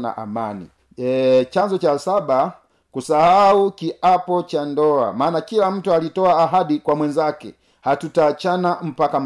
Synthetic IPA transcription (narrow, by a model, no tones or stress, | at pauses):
na̰ʔa̰manḭ | t͡ʃaɲd͡ʒɔt͡ʃasaba | kusahaukiʔapɔt͡ʃandɔa̰maːnakilam̩tualitɔaːɦadikwamwɛnd͡ʒakɛ̰ | hatutaːt͡ʃanam̩pakam